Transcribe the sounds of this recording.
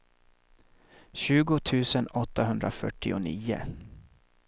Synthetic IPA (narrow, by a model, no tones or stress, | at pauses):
ɕʉ̟ːɡʊt̪ʰʉ̟ːsənɔt̪ːaɦɵnd̪ɾafœʈːɪʊniːʊ̰